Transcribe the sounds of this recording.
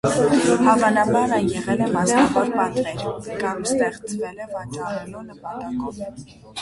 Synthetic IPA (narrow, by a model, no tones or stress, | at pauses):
hɑvɑnɑbɑɾəjɛʁɛlɛmɑsɑχɔɾpɑt̪ɾɛɾkɑmst̪ɛχt͡sʰvɛlɛvɑt͡ʃɑrɛlunəpɑt̪ɑkɔv